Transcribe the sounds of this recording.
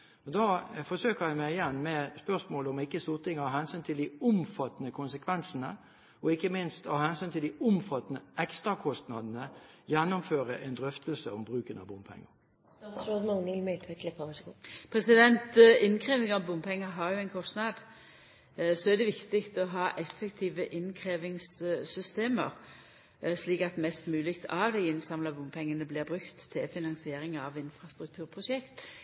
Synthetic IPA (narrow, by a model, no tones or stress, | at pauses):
ɔd̪ɑːfɔsøːkəʁjæɪmæɪɪjɛnːmɛspœʁsmoːləɔmɪkːəst̪uːʁt̪ʰɪŋɔhɑːhɛnsyːnt̪ʰɪld̪ɪʊmfɑt̪ːənəkʰʊnsəkʰʋɛnsənə | ɔɪkːəmɪnst̪ɑhɛnsyːnt̪ʰɪld̪ɪʊmfɑt̪nəɛkst̪ʁɑkʰɔst̪nɑd̪nəjɛnːʊmføːɾəʔɛnd̪ɾœft̪lsəɔmbʁʉːkənɑ̰bʊmpʰɛ̰ŋːə̰ | sɾod̪mɑŋnɪlmɛlt̪ʋɛkʰlɪpːɑʋɛɡupʰɾɛsɪd̪ɛnt̪ɪnkʰʁeːʋɪŋɑʋbʊmpʰɛŋːəɦɑʁjʊɛnkʰɔst̪nɑd̪ | sɔɛʁd̪ɛʋɪkt̪ɪkt̪ɔɦɑːʔɛfːɛkt̪ʰiːʋəʔɪnkʰʁeːʋɪŋssʏst̪eːmə̰ʁ | ʂliːkɑt̪mɛst̪mʉːlɪkt̪ʰɑʋd̪æɪɪnsɑmlɑbʊmpʰɛŋːənəblɪːʁbʁʉkt̪ʰːɪlfɪnɑnsɪeːɾɪŋɑʋɪnfʁɑst̪ɾʉk̚t̪ʰʉːʁpʰɾʊsɛkt̪